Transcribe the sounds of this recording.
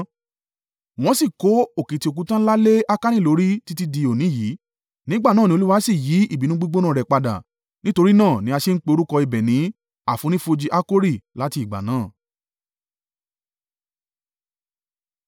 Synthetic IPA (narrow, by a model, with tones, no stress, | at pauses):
w̃ɔ̃˨˦si˦˨ko˨˦o˦˨kĩ˨ti˧o˨k̬ũ˨˦tã˦n̩˦la˦le˦a˦ka˦nĩ˦˨lo˨˧˦ɾi˦ti˦ti˦di˧o˨nĩ˨˦jiː˨˦ | nĩ˨˦ɡ͡ba˦˨nãː˦˨nĩ˧o˧lu˦wa˦si˦˨ji˨˦i˦˨bi˨˦nũ˦ɡ͡bi˦ɡ͡bo˦nãː˦˨ɾɛ˨k͡pa˧da̰˨ | nĩ˦to˧ɾi˦nãː˦˨nĩ˨˦a˧ʃe˦n̩˦k͡pe˧o˧ɾu˦kɔ˧i˨bɛ˨nĩ˨˦ | a˦˨fũ˨˦nĩ˦fo˧d͡ʒi˧ʔa˦ko˦ɾi˦˨la˨˦ti˧i˨ɡ͡ba̰˨nãː˦˨